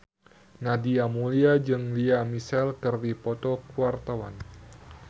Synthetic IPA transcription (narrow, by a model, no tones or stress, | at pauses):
nadiamuliad͡ʒɨŋliamisɛlkɨrdipɔt̪ɔkuart̪awan